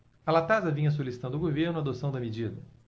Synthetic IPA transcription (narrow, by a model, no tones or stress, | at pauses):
ɐlat̪azɐvĩɲɐs̬olisit̪ɐ̃nd̪ʊɡoveɾnʊɐad̪osɐ̃w̃d̪ɐmed͡ʒid̪ɐ